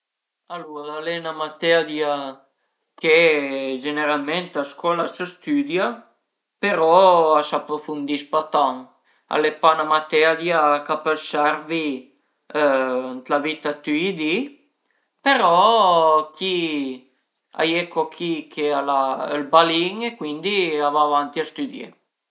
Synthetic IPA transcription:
aluɾalenamat̪ead̪ja | ked͡ʒeneɾalment̪askɔlasəst̪yd̪ja | peɾɔasapɾofund̪ispat̪aŋ | a̰lepanamat̪ead̪jakapəlsaɾvi | nt̪lavit̪at̪yid̪i | peɾɔ | kʰi | a̰jekokʰikʰealaəlbaliŋekwind̪iavavant̪iast̪yd̪jḛ

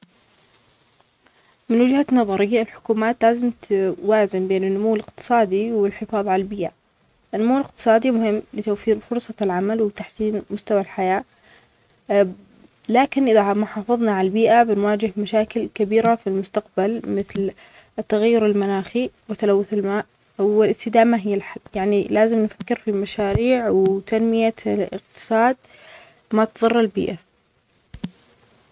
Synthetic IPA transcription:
mɪnwɪd͡ʒhanɑðˤɑɾɪjːaɪlħʊ̥kuːmaːt̪laːzɪmt̪waːzɪmbeːnɪnːʊmuːlɪqt̪ɨ̥sˤɑːd̪iwɪlħɪfɑːðˤʕalalbiːʔa | ʔɪnːʊmuːlɪq̚t̪ɨ̥sˤɑːd̪imʊhɪmːlɪt̪awfiːɾfʊɾsˤɑlʕamalwɪt̪aħsiːnmʊst̪awalħajaː | laːkɪnʔɪðamʊħɑːfɨðˤnɑʕalbiːʔabɪnwaːd͡ʒɪɦmaʃaːkɪlkabiːɾafilmʊst̪aqbalmɪθl | t̪ːaɣajːʊɾɪlmanaːxiwɪt̪alawːʊθɪlmaːʔ | wɪlɪst̪ɪd̪aːmaɦɪjːalħajaʕnilaːzɪmnfakːɪɾfimaʃaːɾiːʕwɪt̪anmɪjaɪ̰qt̪ɨ̥sˤɑːd̪̚ | mat̪ðˤɨrˤːalbḭːʔa

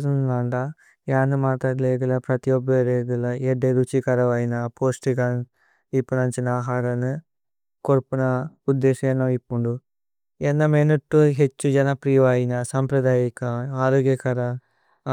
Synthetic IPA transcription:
d̪unnaːɳɖɐ | jaːnumaːʈ̪aːɽɐleːɡɐlɐpɾɐt̪ijobeɾeːɡɐlɐeɖːeɾut͡ʃikɐɾɐʋɐjinɐpoːsʈikɐn | ipːunɐɲt͡ʃinaːɦaːɾɐnu | koɾpunɐud̪ːeːʃɐenːɐipːuɳɖu | enːɐmenɐʈːuɦet͡ʃːud͡ʒɐnɐpɾijʋaːjinɐsɐmpɾɐd̪aːjikɐaːɾoːɡjɐkɐɾɐ

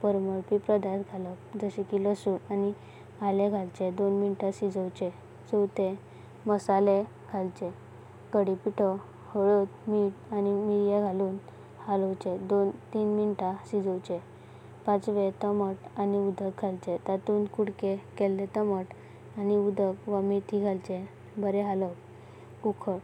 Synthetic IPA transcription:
pəɾməɭpipɾəd̪at̪ɡʱalɔkd͡zəɕĩkiləsuːnani | alẽɡʱalt͡ɕed̪onminʈaɕid͡zəwt͡ɕɛ | d͡zɔwt̪e | məsale | ɡʱalt͡ɕɛ | kəɽipiʈʰɔ | hɔɭot̪miʈanimiɽjaɡʱaluːn | haləwt͡ɕed̪ont̪iːnminʈasid͡zəwt͡ɕe | pãt͡sʋet̪əməʈaniud̪ʱək̚ɡʱalt͡ɕet̪at̪uːnkuɽkekɛlːet̪əməʈ | aniud̪ʱəkʋamit̪ʰiɡʱalt͡ɕe | bəɾɛɦalək | ukʰəɽ

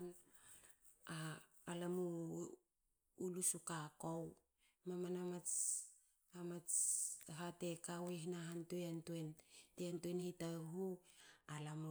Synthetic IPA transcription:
n | aː | lamu | lusukakow | mamanamat͡ʃ | amat͡sɦatekawehinaɦantueantuenteantuenhitaɦualam

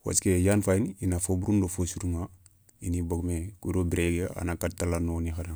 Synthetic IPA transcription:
wa̰t͡ʃkejanfainiinafobuɾundofosuɾuma | iniboɡmekuɾobiɾeɡea̰nakatalanonixaɾaŋ

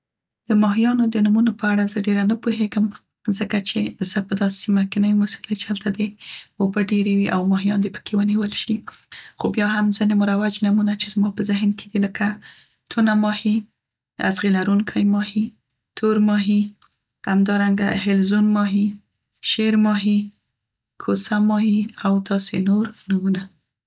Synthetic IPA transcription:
d̪̥əmɑɦijɑnod̪ənumunopəaɽazəɖeɾanapoɦeɡəm | zəkat͡ʃez̥əpəd̪ɑssimakenawimusuləjt͡ʃe̥halt̪ad̪eobəɖeɾewiʔawmɑɦijɑnd̪epə̥kewəniwəlʃixobjɑɦamzinemuɾawad͡ʒnamunat͡ʃezmɑpəzɪɦnkʰe̥d̪iləka | t̪ʰunamɑhi | a̰zɣilaɾuŋkʰajmɑhi | t̪ʰoɾmɑɦi | hamd̪ɑɾaŋɡaɦɪlzunmɑɦi | ʃeɾmɑɦi | kʰosamɑhiawt̪ɑsenoɾnumuna

